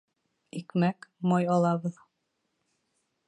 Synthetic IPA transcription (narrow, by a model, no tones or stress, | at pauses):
ikmækmɑjɑlˠɑβɤð